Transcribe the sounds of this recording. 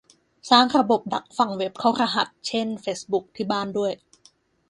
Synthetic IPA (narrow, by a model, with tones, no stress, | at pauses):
saː˥˩ŋɾa˧bo˨˩p̚da˨˩k̚fa˨˩ŋwe˦˥p̚kʰa˦˥˩ɾa˧ɦa˨˩t̪̚t͡ɕʰe˥˩nfeː˦˥sbu˦˥k̚t̪ʰiː˥˩baː˥˩ndu˥˩əj